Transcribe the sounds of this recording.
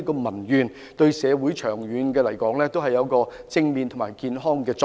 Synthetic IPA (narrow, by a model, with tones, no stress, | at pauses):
kɔː˧mɐ˨˩njyː˨n | t̪ɵ˧ɥsɛː˨˧wuː˨˥jt͡ʃʰœː˨˩ŋɥyː˨˧nkɛː˧lɐ˨˩jkɔː˨˥ŋlɛː˥t̪o˥wɦɐ˨jɐ˨˧˥wkɔː˧t͡sɪ˥ŋmiː˨˧nt̪ʰmaː˨˩jkiː˧nɦɔː˥ŋkɛː˧t͡sː